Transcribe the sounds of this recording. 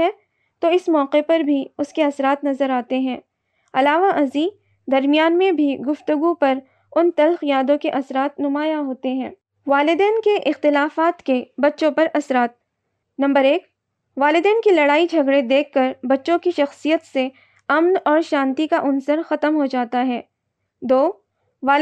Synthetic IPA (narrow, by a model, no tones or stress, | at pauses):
ɛ̃ː | t̪oɪsmɔːqepɐɾbʱiʊskeɐsɾaːt̪nɐzəɾaːt̪eɦɛ̃ː | ɐlaːʋaʔɐzi | d̪ɐɾmijaːnmẽbʱiɡʊft̪ʊɡupɐɾ | ʊnt̪ɐlxjaːd̪õkeʔɐsɾaːt̪nʊmaːjaɦoːt̪eɦɛ̃ː | ʋaːlɪd̪ɛːnkeʔɪxt̪ɪlaːfaːt̪kebɐtːʃõpɐɾɐsɾaːt̪̚ | nɐ̃mbəɾeːk | ʋaːlɪd̪ɛːnkilɐɽaːid͡ʒʱɐɡɽed̪eːkʰːɐɾbɐtːʃõkiʃɐxsijət̪se | ɐmnɔːɾʃãːnt̪ikaʔʊnsəɾxɐt̪əmɦod͡ʒaːt̪aɦɛː | d̪oː | ʋaː